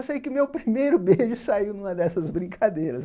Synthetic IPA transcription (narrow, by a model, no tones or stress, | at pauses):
sejkɪʊmewpɾimejɾʊbeʒʊsaiwnũmɐd̪ɛsɐzbɾĩŋkʰad̪ejɾɐs